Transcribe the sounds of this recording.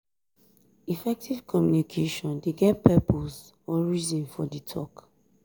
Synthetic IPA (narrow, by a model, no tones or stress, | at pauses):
ifɛk̚tiv̥kʰɔmjunikʰeʃɔ̃ndeɡɛt̚pʰɛpʰos | ɔɹizɔ̃nfɔditʰɔ̰k